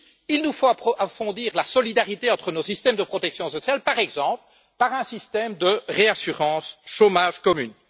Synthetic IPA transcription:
ilnufoapʔafɔ̃d̪iːʁlasɔlid̪aʁit̪eɑ̃t̪χənosist̪ɛmd̪əpχɔt̪ɛksjɔ̃sɔsjalpaʁɛɡzɑ̃ːpl | paʁɛ̃sist̪ɛːmd̪əʁeasyʁɑ̃ːsʃomaːʒkɔmyn

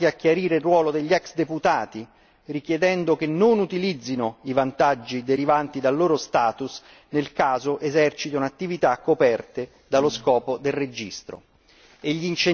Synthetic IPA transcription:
iak̟ːjaɾiːɾerːwɔːlod̪eʎːɛksd̪eput̪aːt̪i | rik̟jed̪ɛnd̪okenːonut̪ilid̪zːinoivant̪ad͡ʒːid̪eɾivant̪id̪alːoːɾost̪aːt̪us | nelkaːzoʔezɛrt͡ʃit̪ounat̪ːivit̪akːopɛrt̪e | d̪aloskɔːpod̪elred͡ʒist̪ɾo̰ | eʎːiːnt͡ʃe

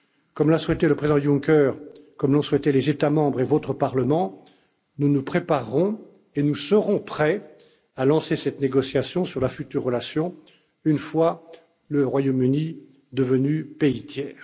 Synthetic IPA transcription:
kɔmlaswɛt̪eləpχezid̪ɑ̃jũŋkʲɛʁkɔmlɔ̃swɛt̪ɛlezet̪amɑ̃bʁevot̪χəpaʁləmɑ̃ | nunupχepaʁːɔ̃ | enusəʁɔ̃pχɛ | alɑ̃sesɛt̪neɡɔsjasjɔ̃syʁlafyt̪yʁːəlasjɔ̃ | ynfwa | ləʁwajomyni | d̪əvənypeit̪jɛːʁ

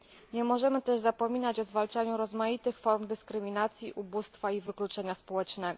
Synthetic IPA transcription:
ɲɛmɔʐɛmɘt̪ɛʐzapɔmʲinat͡ɕɔzvalt͡ʂaɲuɾɔzmajit̪ɘxfɔɾmd̪ɘskɾɘmʲinat̪sʲjiʔubust̪faivɘklut͡ʂɛɲaspɔwɛt͡ʂnɛɡɔ

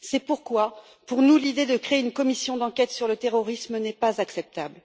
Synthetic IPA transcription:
sɛpuʁkwa | puʁnulid̪ed̪əkχeeynkɔmisjɔ̃d̪ɑ̃kʲɛt̪syʁlət̪eʁɔʁismnɛpazaksɛp̚t̪abl

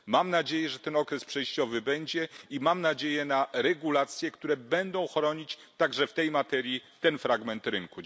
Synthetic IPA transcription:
mamnad͡ʑejɛʐɛt̪ɛnɔkɾɛspʂɛjɕt͡ɕɔvɘbɛɲd͡ʑɛimamnad͡ʑejɛnaɾɛɡulat̪sʲjɛkt̪uɾɛbɛnd̪ɔ̃w̃xɾɔɲit͡ɕ | t̪aɡʐɛft̪ɛjmat̪ɛɾʲjit̪ɛnfɾaɡmɛnt̪ɾɘŋku

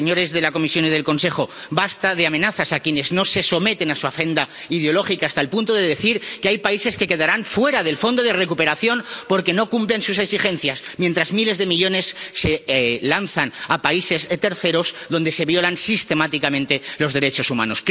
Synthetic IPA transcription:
eɲo̞ɾe̞zðe̞lako̞misjo̞nið̞e̞lko̞nsexo̞bast̪aðeamẽ̞naθasakje̞ne̞zno̞se̞so̞me̞t̪e̞nasuafe̞nd̪a | iðeo̞lo̞xikaːst̪aelpunt̪oðeðe̞θiɾkeajpaise̞ske̞ke̞ðaɾanfwe̞ɾaðe̞lfo̞nd̪o̞ðere̞kupe̞ɾaθjo̞npo̞ɾke̞no̞kumplensuse̞ksixe̞nθjasmje̞nt̪ɾazmile̞zðemiʎo̞ne̞sːe̞lanθanapaise̞zet̪e̞ɾθe̞ɾo̞zðo̞nd̪e̞se̞βjo̞lansist̪e̞mat̪ikamẽ̞nt̪e̞lo̞zðe̞ɾe̞t͡ʃo̞suma̰no̞s

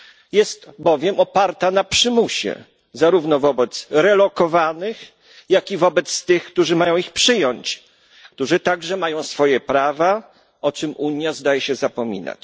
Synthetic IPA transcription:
jɛst̪bɔvʲjɛmɔpaɾt̪anapʂɘmuɕɛ̰ | zaɾuvnɔvɔbɛt̪sɾɛlɔkɔvanɘx | jakʲivɔbɛt̪st̪ɘxkt̪uʐɘmajɔ̃w̃ixpʂɘjɔɲt͡ɕ | kt̪uʐɘt̪aɡʐɛmajɔ̃w̃sfɔjɛpɾava | ɔt͡ʂɘmuɲjazd̪ajɛɕɛzapɔmʲḭna̰t͡ɕ

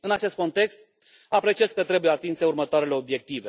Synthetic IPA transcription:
ɨnat͡ʃe̞st̪̚ko̞nt̪e̞kst̪ | apɾe̞t͡ʃiezkət̪ɾe̞bujeat̪inse̞urmət̪oaɾe̞le̞o̞bje̞k̚t̪ive

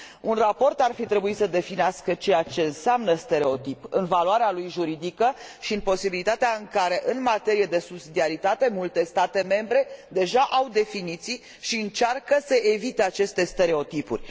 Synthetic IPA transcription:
unrapo̞rt̪arfit̪ɾe̞buisəd̪e̞fineaskət͡ʃe̞jat͡ʃe̞ɨnseamnəst̪e̞ɾe̞o̞t̪ipɨnvaluaɾealujʒuɾid̪ikəʃiɨnpo̞sibilit̪at̪eaɨŋkaɾe̞ʔɨnmat̪e̞ɾijed̪e̞subsid̪iaɾit̪at̪e̞mult̪e̞st̪at̪e̞me̞mbɾe̞d̪e̞ʒaʔawd̪e̞finit̪sij | ʃiɨnt͡ʃarkəsəʔevit̪eat͡ʃe̞st̪e̞st̪e̞ɾe̞o̞t̪ipṵrʲ

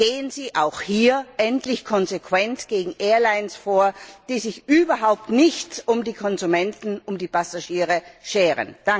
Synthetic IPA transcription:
ɡ̥eːənziːʔaʊxhiːɐʔɛntlɪçkʰɔnzekv̥ɛntɡ̥eːɡŋ̩ʔeːɐlaɪnsfoːɐd̥iːzɪçʔyːbɐɦaʊp̚tnɪçt͡sʊmdiːkʰɔnzumɛntn̩ʊmdiːpʰasaʃiːʁəʃeːʁə̰nd̥a

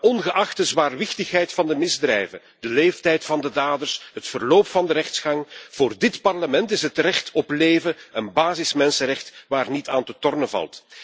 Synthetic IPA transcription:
ɔnɣəʔɑxtəzwaːrʋɪxtəxɦɛjtfɑndəmɪzdrɛjvə | d̥əleːftɛjtfɑndədaːdərsɦətfərloːpfɑndəɾɛxtsxɑŋv̥oːrdɪtpɑrləmɛntɪsətrɛxtɔpleːvəənbaːzɪsmɛnsəɾɛxtʋaːrnitʰaːntətɔrnəvɑ̰lˠt

